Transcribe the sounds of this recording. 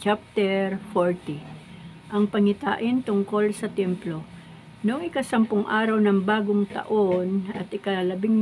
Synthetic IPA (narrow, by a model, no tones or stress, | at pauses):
t͡ʃap̚t̪ɛɾfoɹt̪i | ʔɐŋpɐŋɪt̪a̰ːʔɪnt̪ʊŋko̞lsɐt̪ɛmplo̞ | nʊŋɪkɐsɐmpʊŋʔaːɾɐwnɐŋbaːɡoŋt̪ɐ̰ʔo̞nɐt̪ʔɪkɐlɐbɪŋm